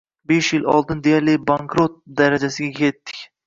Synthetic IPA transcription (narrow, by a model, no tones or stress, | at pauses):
beʃjɪlɒ̰lˠd̪ɪnd̪ejaɾlɪbaŋkɾot̪̚d̪aɾad͡ʒasɪɡʲakʲʰe̞t̪ːɪ̥kʲ